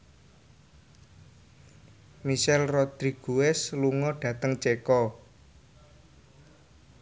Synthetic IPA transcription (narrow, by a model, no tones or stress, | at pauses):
miʃɛlrɔd̪̥ɾiɡ̥uɛsluŋɔɖ̥ä̤t̪əŋt͡ʃekɔ